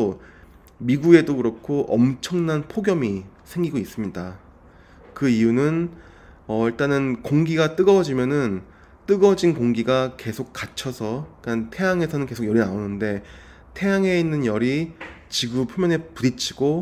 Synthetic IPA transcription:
o | miɡue̞doɡɯɾʌkʰoʔʌmt͡ɕʰʌŋnanpʰoɡjʌmi | sʰe̞ŋɡiɡois͈ɯmɲida | kɯijunɯn | ʌiɭt͈anɯnkoŋɡiɡat͈ɯɡʌd͡ʑimjʌnɯn | t͈ɯɡʌd͡ʑinkoŋɡiɡake̞sʰok̚k͈at͡ɕʰʌsʰʌik͈antʰe̞jaŋe̞sʰʌnɯnke̞sʰokɡjʌɾinaonːɯnde̞ | tʰe̞jaŋɦe̞inːɯnjʌɾi | t͡ɕiɡupʰumjʌnɦe̞puɾit͡ɕʰiɡ̥o

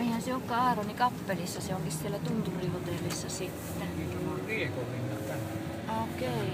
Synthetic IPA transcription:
eihænseokːɑɑːronikɑpːelisːɑseoŋkissielːæt̪unt̪urihot̪eˑlːisːɑsit̪ːeniːt̪onolʲʋiekolʋinːɑt̪t̪ænæ | oˑkeˑi

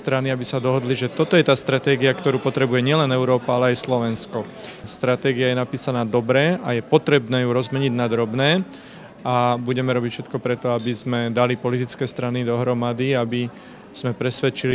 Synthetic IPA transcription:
t̪ɾaniabisad̪ɔɦɔd̪liʒɛt̪ɔt̪ɔjɛt̪aːst̪ɾat̪ɛːɡiakt̪ɔɾuːpɔt̪ɾɛbujɛɲɪɛlɛnɛʊɾɔːpaalɛajslɔʋɛnskɔ | st̪ɾat̪ɛːɡijajɛnapiːsanaːd̪ɔbɾɛːajɛpɔt̪ɾɛbnɛːjuɾɔzmɛɲiɟnad̪ɾɔbnɛː | abuɟɛmɛɾɔbicfʃɛt̪kɔpɾɛt̪ɔabizmɛd̪alipɔlit̪it͡skɛːst̪ɾanid̪ɔɦɾɔmad̪iabi | z̥mɛpɾɛsʋɛt͡ʃili

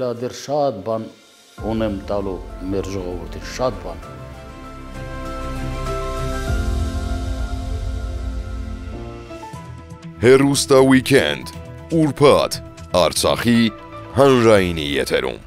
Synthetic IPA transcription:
lɑd̪ɛrʃɑt̪bɑn | unɛmt̪ɑlumɛɾʒɔʁɔvuɾt̪ʰinʃɑt̪̚bɑn | hɛrust̪ɑwikʰɛ̰nd̪ | uɾpʰɑt̪ʰ | ɑɾt͡sʰɑ̰χi | ɦɑnɾɑjinḭjɛ̰t̪ʰɛ̰ɾṵm

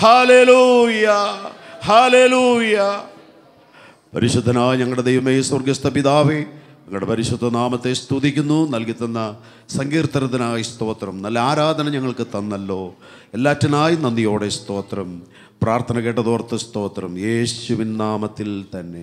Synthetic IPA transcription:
haleːlujɐhaːleːluːjɐ | pɐ̰ɾiɕud̪ʱːɐnaːjɲɐŋːɐɭɽed̪ejʋɐmeːsorɡɐst̪ɐpiðaːʋe | ɲɐŋːɐɭɽepɐɾiɕud̪ʱːɐnaːmɐt̪ːe̞st̪uðikʲːunːunɐlkit̪ːɐnːɐ | sɐŋɡiːrt̪ɐɾɐt̪ːɐnaːjist̪o̞ːt̪rɐmnɐlːɐaːɾaːd̪ʱɐnɐɲɐŋːɐɭkɨt̪ɐnːɐlːo̞ː | elːaːtːɐnaːjinːɐnd̪ijo̞ːɽe̞st̪o̞ːt̪rɐm | praːrt̪ʰɐnɐkeːʈ̬ːɐðoːrt̪ːɐst̪o̞ːt̪rɐmje̞ːɕuʋinnaːmɐt̪ːilt̪ɐnːe̞̰

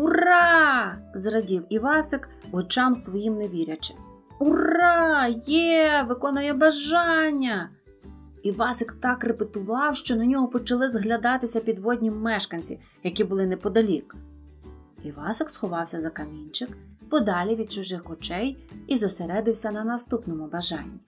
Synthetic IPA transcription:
urɑ | zrɐdʲiwiʋɑsɪk | ɔt͡ʃɑmsʋɔjimneʋʲiɾʲɐt͡ʃɪ̥m | ʊrɑjɛʋɪkɔnʊjɛbɐʒɑnʲːɐ | iʋɑsɪkt̪ɑkrepet̪ʊʋɑwʃt͡ʃɔnɐnʲɔɦɔpɔt͡ʃɐlˠɪzɦlʲɐd̪ɑt̪ɪsʲɐpʲid̪ʋɔdʲnʲimɛʃkɐnʲt͡sʲḭ | jɐkʲibʊlˠɪnɛpɔd̪ɐlʲik | iʋɑsɪksxɔʋɑwsʲɐzɐkɐmʲinʲt͡ʃɪk | pɔd̪ɑlʲiʋʲid̪̚t͡ʃʊʒɪxɔt͡ʃɛjizɔseɾɛd̪ɪwsʲɐnɐnɐst̪upnɔmʊbɐʒɑ̰nʲːi

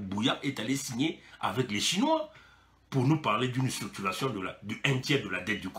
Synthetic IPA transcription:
bujaʁɛt̪alesiɲea̰vɛkleʃinwa | puʁnupaʁled̪ynst̪ʁyk̚t̪yʁasjɔ̃d̪əlad̪ɛ̃t̪jɛʁd̪əlad̪ɛt̪̚d̪yk

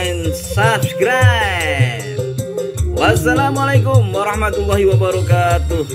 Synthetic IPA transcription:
nsafʈɡɾa | wasːalaːmʊalejkʊmwɑɾˤɑħmat̪lˤːɑːhiwabɑɾɑkaːt̪ʊ

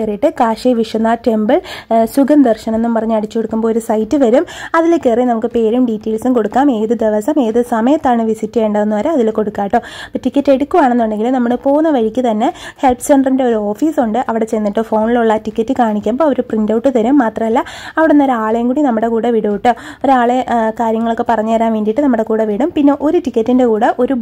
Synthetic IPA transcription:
erijiʈːɨkaːʂiʋiʂɐnːaːʈe̞mbɐɭsuɡɐnd̪ɐrʂɐne̞nːumpɐrɐɲːuɐɽit͡ɕːukoɽukːumboːoɾusɐjtːɨʋɐɾumɐðilkːeːrinɐmukːɨpe̞ːɾumɖitːe̞ːlsumko̞ɽukːaːme̞ːðɨd̪eʋɐsɐme̞ːðɨsɐmɐjɐt̪ːaːɳɨʋisitːejɳɖɐðenːuʋɐɾeɐðilko̞ɽukːaːjiʈːoːɐtːikʲːɐtːe̞ɽukʲːuʋaːɳenːuɳɖe̞ŋɡilumnɐmːuɭɨpo̞ːɣunːɐʋɐɻikʲːɨt̪ɐnːe̞he̞lpseɳɖɐrinde̞o̞ɾuo̞ːfiːsuɳɖɨʔɐʋiɽe̞t͡ɕenːiʈːɨfo̞ːɳiluɭːɐtikʲːɐtːɨkaːɳikʲːaːmboːɐɾuprindɐwʈːɨt̪ɐɾumːaːt̪rɐmɐlːɐɐʋiɽeunːoɾaːɭejŋkuːɽinɐmːuɽe̞kuːɽeʋiɽɐʋiʈːɨoɾuaːɭekaːɾjɐŋːɐɭo̞kːe̞pɐrɐɲːɐʋɐɾaːnʋiːndiʈːɨnɐmːuɽe̞kuːɽeʋiɽumpinːe̞ʔo̞ɾutikʲːɐtːinde̞kuːɽɐʔo̞ɾu

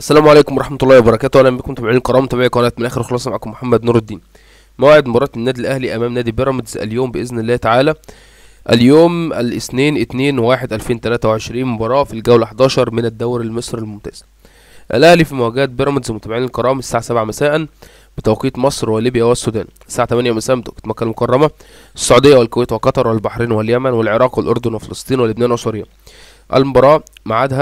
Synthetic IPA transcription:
ʔæsːælæːmʕaleːkomwɑɾˤɑħmɑt̪ˤlˤːɑːwebɑɾˤɑkæːt̪wʔælːæmbekʊmt̪æbʕinælkɑɾˤɑːmt̪æbaʕikɑɾˤt̪menʔæːxeɾxɑlɑːsˤɑmaʕakʊmːoħamːæd̪nuːɾed̪ːiːn | mowʕed̪mobɑɾˤɑːt̪nːæːd̪ilʔæhliʔæmæːmnæːd̪ibeɾˤɑmed̪zʔæ̰ljoːmbeʔeznelːæːt̪aʕaːlæ | ʔæljoːmʔælʔɪsneːnʔɪt̪neːnwaːħed̪ʔælfeːnt̪ælæːt̪æweʕeʃɾiːnmobɑːɾˤɑːfilɡæwlʔaħd̪ɑːʃɑɾˤmɪnæd̪ːæwɾælmesˤɾelmomt̪æ̰ːz̥ | ʔæ̰lʔæhlifimææɡæːt̪̚beɾˤɑmed̪zmʊt̪æbʕiːnelkɑɾˤɑːmsaːʕasæbʕamæsæːʔæn | b̥et̪æwqiːt̪mɑsˤɾweliːbjæwæsːuːd̪æ̰ːn | sːaːʕat̪æmænjæmæsæːʔmt̪kt̪mækːælmokɑrˤːɑmæ | ʔsːɑʕuːd̪ejːæwelkowæːt̪welqɑt̪ˤɑɾˤwelbɑħɾiːnweljæmænwelʕeɾˤɑːqwelʔoɾd̪onwefelɑsˤt̪ˤiːniwelebnæːnʔsˤuɾejːæ | ʔæ̰lmobɑɾˤɑː | maʕaːd̪hæ

